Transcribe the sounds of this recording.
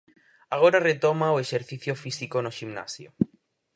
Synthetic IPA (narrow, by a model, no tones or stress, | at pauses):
aɣ̞oɾaret̪omaoeʃeɾθiθjofisikonoʃimna̰sjo̰